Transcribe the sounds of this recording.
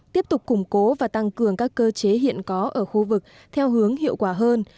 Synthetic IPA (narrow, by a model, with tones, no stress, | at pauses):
t̪i˦˥əp̚t̪ʊ˨˩k͡p̚kːʊ˧˩ŋ͡mko˨˦vaː˨˩t̪a˧ŋkɨ˨˩əŋkaː˦˥kːəː˧t͡ɕe˨˦ɦḭ˧˨ənkɔ˨˦ʔəː˧˩xu˧vɨ˨˩k̚ | t̪ʰɛ˧wɦɨ˨˦əŋhḭ˧˨əwkwaː˧˩ɦəː˧n